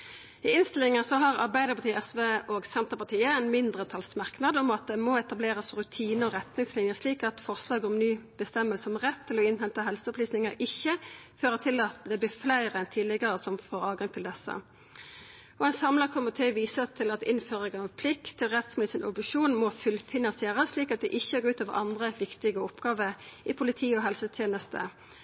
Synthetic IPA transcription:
ɪɪnst̪ɪlɪŋəsɔɦɑʁɑʁbæɪd̪əʁpʰɑt̪iːɛsʋeːoːɡsɛnt̪əʁpɑt̪ʰiːəɛnmɪnd̪ʁət̪ʰɑlsmɑʁknɑd̪ɔmɑt̪̚d̪ɛmɔɛt̪ɑbleːʁəsʁʉt̪ʰiːnəɔʁɛt̪nɪŋslɪnjəsliːkɑt̪fɔʁslɑːɡɔmnyːb̥əst̪ɛmːəlsəɔmʁɛt̪ʰːɪlɔɪnhɛnt̪əɦɛlsəɔpliːsnɪŋəɾɪçːəføːʁət̪ʰɪlɑt̪d̪ɛblɪːflæɪʁəɛnt̪ʰɪːlɪɡəʁəsɔmfoːʁɑːʋɡɑŋt̪ʰɪld̪ɛsːə̰ | ɔɛnsɑmləkʰʊmːɪt̪ʰeːʋiːsət̪ʰɪlɑt̪ɪnføːʁəɡəɑʋpʰlɪkt̪ʰːɪlʁɛt̪smɪlɪsɪnʔɔ̰bɪʂuːnmɔfʉlfɪnɑnsɪeːʁəssliːkɑt̪̚d̪ɛ̰ʔɪçːəɡoːʉːt̪oːʋə̰ʔɑnd̪ʁəʋɪkt̪ɪɡəɔpɡɑːʋəɾɪpʰʊlɪt̪ʰiːɔɦɛlsət̪ʰjeːnəst̪ʰə̰

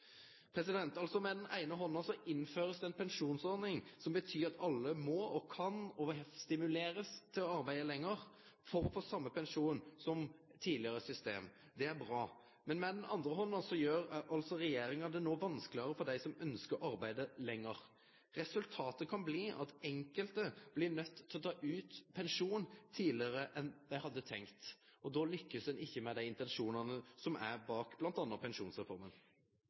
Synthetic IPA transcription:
pʰɾɛsɪd̪ɛnt̪ɑlsɔmɛd̪ɛnʔæ̰ɪnəɦɔnːəsɔʔɪnføːɾəsd̪ɛɛnpʰɛnʂuːnsɔɾnɪŋsɔmbət̪ʰyːɾʁɑt̪ʰɑlːəmɔɔkʰɑnɔst̪ɪmʉleːɾəst̪ʰɪlɔɑɾbæɪd̪əlɛŋːəɾ | fɔɾɔfoːsɑmːəpɛnʂuːnsɔmt̪ʰiːlɪəʁəsʏst̪ḛːm | d̪ɛæɾbɾɑː | mɛnmɛd̪ɛnɑnd̪ɾəɦɔnːɑsɔjøːɾɑlt̪sɔɾɛjeːɾɪŋɑd̪ɛnoːʋɑnsklɪəɾəfɔɾd̪æɪsɔmœnskəɾɑɾbæɪd̪əlɛŋːəɾ | ʁɛsʉlt̪ʰɑːt̪əkʰɑnbliːʔɑ̰t̪ɛŋkəlt̪əb̥lɪnœt̪ːʰɪɔt̪ʰɑːʔʉːt̪pʰɛnʂuːnt̪ʰiːlɪəɾəʔɛnd̪æɪhɑd̪ːət̪ʰɛŋkt̪ | ɔd̪ɔːlʏkːəsd̪ɛnʔɪçːəmɛd̪æɪɪnt̪ɛnʂuːnənəsɔmæ̰ɾbɑːkb̥lɑnt̪ɑnːəpʰɛnʂuːnsʁɛfɔɾmən

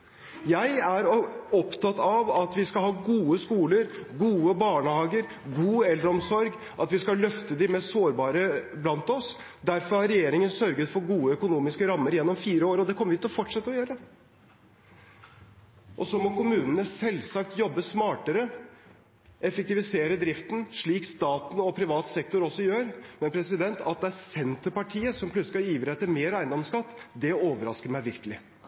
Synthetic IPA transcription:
jæɪæɾɔpt̪ʰɑt̪ːɑʋɑt̪ʋɪskɑlhɑːɡuːəskuːləɾɡuːəbɑːɳəhɑːɡəɾ | ɡuːɛlːəɾəɔmsɔɾɡ | ʔɑt̪ʋɪskɑlœft̪əd̪ɪmɛssoːɾbɑːɾəblɑnt̪ɔs | d̪æɾfɔɾhɑɾɾɛjeːɾɪŋənsœɾɡət̪fɔɾɡuːəœkʊnuːmɪskəɾɑmːəɾjɛnːɔmfiːɾəoːɾɔd̪ɛkʰɔmːəʋɪt̪ɔfɔʈʂɛt̪ːəɔjøːɾə | ʔɔsɔmɔkʊmʉːnənəsɛlːsɑk̚t̪jɔbːəsmɑːʈəɾə | ʔɛfək̚t̪ɪʋɪseːɾəd̪ɾɪft̪n̩ʂɭiːkst̪ɑːt̪n̩ɔpʰɾɪʋɑːt̪sɛk̚t̪ʊɾɔsːɔjøːɾmɛnpʰɾɛsɪd̪ɛnt̪ʰɑ̰t̪̚d̪ɛæɾsɛnt̪əɾpɑʈʰiːəsɔmpʰlʉt̪slɑiːʋɾɛt̪ːəmeːɾæɪnd̪ɔmskɑt̪ːd̪ɛoːʋəɾɑskəmæɪʋɪɾkəlɪ

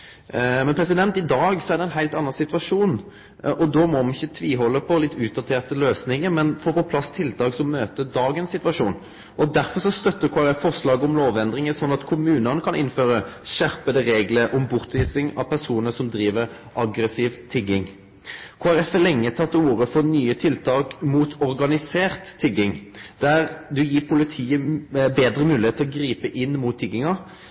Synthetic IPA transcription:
mɛnpʰʁɛsɪd̪ɛnt̪ɪd̪ɑːɡsɔæʁɖ̪ɛɪnɦæɪlt̪ɑnːɑnsɪt̪ʋɑʂuːn | ʔɔd̪ɔmɔmnɪçət̪ʰʋiːɦɔlːəpʰɔlɪt̪ʰːʉːt̪̚d̪ɑt̪ʰeːʁt̪əløːsnɪŋəɾmɛnfɔpɔpʰlɑsːt̪ʰɪlt̪ʰɑːɡsɔmøːt̪əd̪ɑːɡənsɪt̪ʋɑʂuːn | ʔɔd̪æɾfɔʁsɔst̪œt̪ːəkʰoːæɾɛfːɔʁslɑːɡəɔmloːʋɛnd̪ʁɪŋəsɔnːɑt̪kʰʊmʉːnənəkʰɑnɪnføːɾəʃæɾpəd̪əɾeːɡləɾʔɔmbʊʁt̪ʋiːsɪŋɑpʰæɾsuːnəsɔmd̪ɾiːʋəɾ | ʔɑɡɾəsiːʋt̪ʰɪɡɪŋ | kʰoːæɾɛfælɛŋːət̪ʰɑt̪ːəuːʁəfɔɾnyːət̪ʰɪlt̪ʰɑːkmuːt̪ʰɔɾɡɑnɪseːɾt̪ʰːɪɡɪŋd̪̥æɾd̪ʉjiːpʰʊlɪt̪ʰiːəbeːd̪ɾəmʉːlɪheːt̪ʰːɔɡɾiːpəʔɪnːmuːt̪ʰːɪɡɪŋɑ

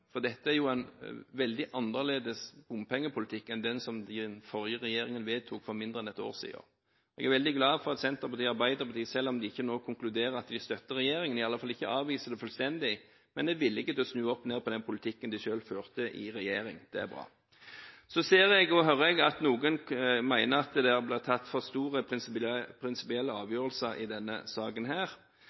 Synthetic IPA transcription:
fɔʁd̪ɛt̪ːəæɾjʊænʋɛld̪ɪʔɑnːəʁleːd̪əsbʊmpʰɛŋːəpʰʊlɪt̪ʰɪkːɛnd̪ɛnsɔmd̪ɪnfɔɾjəʁɛjeːɾɪŋənʋeːt̪ʰuːkfɔmɪnd̪ɾəɛnɛt̪o̰ːʁsḭːə̰ɾ | ɛ̰ɡæɾʋɛld̪ɪɡlɑːfɔʁɑt̪sɛnt̪əʁpɑʁt̪iːɑɾbæɪd̪əʁpʰɑt̪ʰiːəsɛlːɔmd̪ɪɪçːənoːkʰʊŋklʉd̪eːɾəɾɑt̪d̪ɪst̪œt̪ːəʁɛjeːɾɪŋənɪɑlːəfɑlːəɪçːəʔɑːʋiːsəd̪ɛfœlst̪ɛnd̪ɪ | mɛnd̪ɛʋɪlːəɪkːət̪ʰoːsnʉːəɔpːneːpʰɔd̪ɛnpʰʊlɪt̪ʰɪkːənd̪ɪʃøːlføːʁt̪əʔɪ̰ʁɛjeːʁɪŋd̪̥ɛ̰æ̰ɾbʁɑ̰ː | sɔseːʁɛɡɔɦœɾəɛɡɑt̪nuːɡənmæɪnəɾɑt̪d̪ɛæʁblɪːt̪ʰɑt̪ːfɔʁst̪uːʁə | pʰɾɪnsɪpɪɛlːəɑːʋjøːʁəlsəɾɪ̰d̪ɛnːə̰sɑːɡənɦæːʁ

